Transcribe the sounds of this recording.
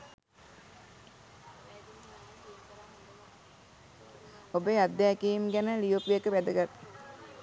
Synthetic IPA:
obəad̪ːjæːkiimɡænəlijopijekəʋæd̪əɡat̪ː

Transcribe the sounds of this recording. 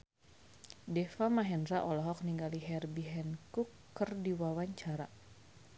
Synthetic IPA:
dɛfamaɦɛnraʔɔlɔɦɔk̚niŋɡaliɦɛrbiɦɛnkukː | ərdiwawaɲt͡ʃaɾa

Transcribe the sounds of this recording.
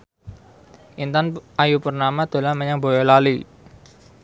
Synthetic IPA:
ʔint̪anʔajupərnamad̪̥o̤laməɲaŋbɔ̤jɔlali

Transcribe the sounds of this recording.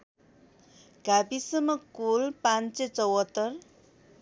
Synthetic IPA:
ɡabisʌmʌkulpant͡set͡sʌwɦʌt̪ːʌr

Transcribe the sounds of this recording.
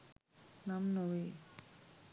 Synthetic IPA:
namnowe

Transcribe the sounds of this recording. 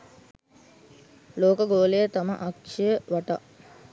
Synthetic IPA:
loːkəɡoːlejət̪amə̰ʔakʃəjəʋaʈa̰

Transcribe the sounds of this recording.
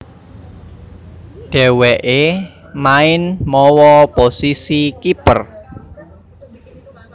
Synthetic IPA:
ɖ̥ɛ̤wɛʔe | maɪnmɔwɔposisikipər

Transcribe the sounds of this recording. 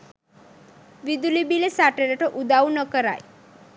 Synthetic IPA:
ʋid̪ulibilesaʈeɾeʈɔʔud̪aunəkəɾa̰j

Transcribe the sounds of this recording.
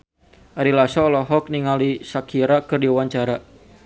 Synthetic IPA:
ʔaɾilasɔlɔɦɔk̚niŋalisakʰiɾakɨrdiuwaɲt͡ʃaɾa

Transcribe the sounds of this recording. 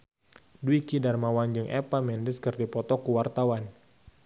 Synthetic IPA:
duikidarmawand͡ʒɨŋʔɛpamɛndəskɨrdipɔt̪ɔkuwart̪awan

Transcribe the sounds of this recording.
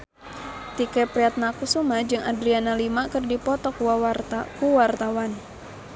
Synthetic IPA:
t̪ikɛpɾɛat̪̚nakusumad͡ʒɨŋadɾianalimakɨrdipɔt̪ɔkuwawart̪akuwart̪awan

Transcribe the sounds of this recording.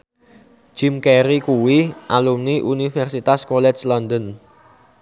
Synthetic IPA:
d͡ʒ̥imkɛɾikuwiʔalumniʔunifɛrsit̪askolɛt͡ʃlɔnd̪ən

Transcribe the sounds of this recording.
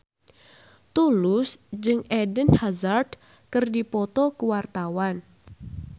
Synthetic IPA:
t̪ulʊsd͡ʒɨŋedənhazard | kɨrdipɔt̪ɔkuwart̪awan

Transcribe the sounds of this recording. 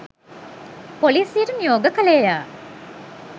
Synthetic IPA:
poliːsijeɾənijoːɡəkəlejjaː

